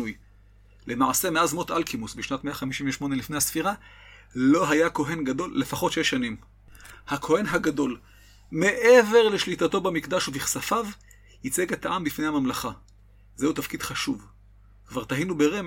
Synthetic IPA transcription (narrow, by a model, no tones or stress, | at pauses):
uj | lʔe̞maʕasemeazmo̞tʔalkʰimusbiʃnatme̞aχamiʃiɱveʃmo̞ne̞lifne̞jhasfiʁa | lo̞ɦajako̞ɦe̞nɡado̞lːefaχo̞tʃeʃanim | hakʰo̞he̞nɦaɡado̞l | me̞ʔe̞ve̞ʁle̞ʃlitato̞bamikdaʃuviχsafav | hit͡seɡet̪aʔambifne̞jhamamlaχa | zeutafkidχaʃuv | kvaʁt̪aɦinube̞ʁem